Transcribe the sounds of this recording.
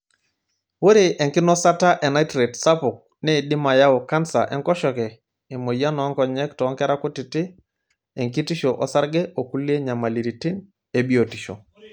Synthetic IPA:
wo˦ɾe˨ʔɛ˨ŋkɪ˦nɔ˦sa˦ta˦ʔɛ˨na˦tɾe˨tsa˦pʊ˨k̚ | ne˦˨dɪ˦ma˨ja˦ʊ˨ka˦nsa̰˨ʔɛ˦ŋkɔ˦ʃɔ˨kɛ˨ | e˨mo˨ja˦nɔ˨˦ŋkɔ˨ɲɛ˦ktɔ˨˦ŋkɛ˦ɾa˦kʊ˦tɪ˨tɪ˦ | e˨ŋki˦ti˦ʃo˨ʔɔ˨sa˦ɾɡɛ˦o˨ku˦lie˦ɲa˨ma˨li˨ɾi˨ti˦n | e˨bi˦o˨ti˨ʃo̰˨

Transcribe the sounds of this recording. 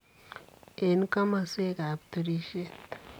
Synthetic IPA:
e˨˦nka˦ma˨se˦ɡa˨b̚t̪ɨ˨ɾi˦ʃe˦t̪

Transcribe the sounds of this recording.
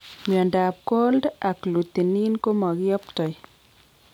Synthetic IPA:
mjɔ˨nda˨p̚ko˦lda˨klu˨t̪i˨ni˦nko˦mɔ˨ɣjɔ˦ptɔ˨j

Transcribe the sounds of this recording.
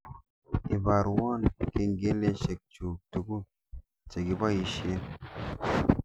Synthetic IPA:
i˨ba˨ɾwa˦˨nke˧nɡe˦le˦ʃe˨k̚t͡ʃu˨k̚tu˨ɡu˦ | t͡ʃe˨ɡi˨ba˦ji˨ʃe˦n

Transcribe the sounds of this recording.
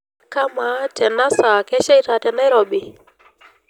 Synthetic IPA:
ka˦ma˨˦tʰɛ˨na˦sa˨kɛ˦ʃɛ˦i˦ta˨tɛ˨na˦ɾɔ˨ɓi˨

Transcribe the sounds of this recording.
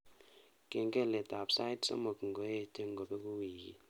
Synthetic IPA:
ke˨ŋɡɛ˦˨lɛ˨ta˨psa˦jtsa̰˦mo˨kŋ˨ɡo˨˦e˦˨te˦ŋ˨ɡɔ˨bɛ˦ku˦wiː˨kḭ˨

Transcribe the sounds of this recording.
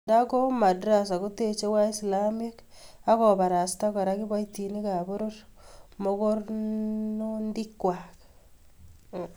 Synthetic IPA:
nda˦ko˦ma˨dɾa˨s̬a˨ku˦te˨t͡ʃe˦wa˦i˦slami˦ka˦kɔ˨ba˨ɾa˨sta˦ka˨ɾa˦ki˦ba˦jti˨ni˦ka˨bo˦ɾo˦rmo˦ko˦rnondi˦kwa˨k

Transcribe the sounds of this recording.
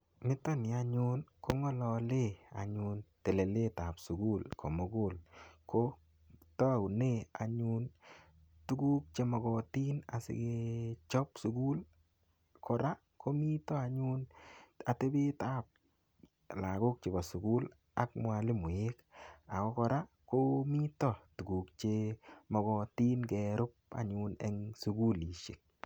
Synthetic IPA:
mɪ˦tɔ˦nɪ˨a˨ɲʊ˦nko˦ŋɔ˦lɔ˧le˦˨a̰˨ɲʊ˧nte˨le˨le˦ta˨psu˨ɡu˦lkʰo˨mo˨˦ɡʊ˦˨lko˦ | tɔ˦˨ʊ˨ne˦˨a̰˨ɲu˦n | tu˦ɡu˦k̚t͡ʃe˦mɔ˨ɡɔ˨ti˦na˨sɪ̰˨ɡe˦t͡ʃɔ˦psu˨ɡu˦l | kʰɔ˨ɾa˦ | ko˦mi˦tɔ˦a˨ɲu˦na˨te˦bɪ˦ta˦p̚ | la˨ɡo˦k̚t͡ʃɪ˨bɔ˨sʊ˨ɡu˦l | a˦k̚mwa˨lɪ˦mʊ˨je˦ka˨kɔ˦kɔ˧ɾa˦ | ko˦mi˦tɔ˦˨tu˨ɡu˨kt͡ʃe˧mɔ˨ɡɔ˨ti˦nɡɛ˨ɾʊ˦p̚a̰˨ɲunɛ̰˦ŋsu˨˦ɡu˦li˨ʃɪ˨k̚

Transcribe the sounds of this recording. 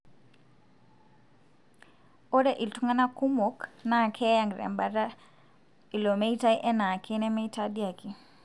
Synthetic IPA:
o˦ɾɛ˦ʔi˨ltu˦ŋa˦na˦ku˦mɔ˦kna˨kʰɛ˦jaŋɡɾɛ̰˨mbaɾa˦ | i˨lo˨me˦i˦ta˦iʔɛ˦na˨kenɛ˦me˦ita˦dia˨ki˨

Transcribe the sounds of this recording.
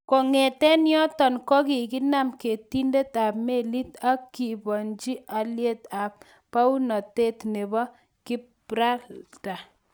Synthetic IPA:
ko˨ŋɛ˨tɛ˦njɔ˦tɔ˨nkɔ˦ki˨ki˦na˦˨mke˨ti˦nde˦ta˨pme˦˨li˦ta˦kːi˨bɔ˨nd͡ʒi˦ʔa˨lje˦ta˨p̚ː | a˦u˦nɔ˨te˦tne˨bɔ˦ | kɪ˦p | ɾa˦ta˨

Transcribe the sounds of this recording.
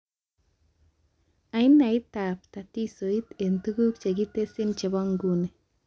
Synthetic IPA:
a˨i˦na˨i˦t̪ːa˨pta˨ti˦so˨i˦t̪e˨ntu˦ɡu˦kt͡ʃe˨ɡi˦te˦si˦nt͡ʃe˨bo˦ŋɡu˦ne˨

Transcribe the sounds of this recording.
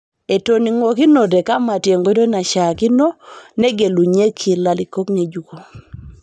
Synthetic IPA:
e˨to˨ni˨ŋo˨ki˦no˨dɛ˨ka˦ma˨tje˨ŋɡo˦do˦na˨ʃa˨ki˦no˦ne˦ɡe˨lu˨ɲe˦kʰi˨la˨li˨ko˦kɲe˨d͡ʒu˨ko˨

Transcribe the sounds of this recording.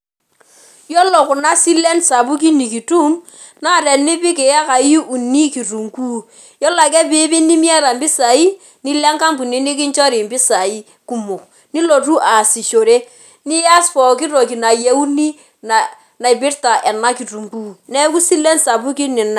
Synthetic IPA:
jɔ˦lɔ˨kʊ˨na˦si˦le˦nsa˨bu˦k̬i˦ni˨ki˨tu˦m | na˦˨ɾɛ˨nɪ˦pɪ˦kɪ˨ja˦ka˨ji˦ʔu˨ni˦ki˨ru˨ŋku˦ | jɔ˦la˨k̬ɛ˦pɪ˦bɪ˦ni˦mja˦ɾa˨mbɪ˦sa˨i˦ | ni˦lɛ˦ŋka˦mbu˨ni˦nɪ˦k̬ɪ˦nt͡ʃɔ˦ɾɪ˨mbɪ˦sa˨i˦ | ku˦mʊ˨k | ni˦lo˨tu˦ʔa˨si˨ʃo˨ɾe˦ | nɪ˦ja˦sfɔ˨kɪ˦ɾo˨ki˨na˨je˨˦u˦ni˦ | na˨ | na˨i˨bɪ˦rta˨ʔɛ˨na˦ki˨tu˨ŋku˦˨nɛ˦ku˦si˦le˦nsa˨bu˦ki˦nɪ˨na˨

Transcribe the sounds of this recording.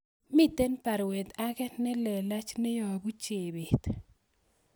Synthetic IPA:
mɪ˦t̪e˦npa˨ɾwe˨t̪a˦kɛ˦nɛ˦lɛ˨la˦t͡ʃne˦jɔ˨ɡu˦t͡ʃe˨be˨t̪

